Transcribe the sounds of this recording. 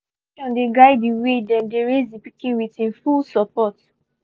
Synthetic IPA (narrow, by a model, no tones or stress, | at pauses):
kãndeɡaɪdiwedɛ̃ndeɹezdipikĩnwitĩnfulsɔpɔt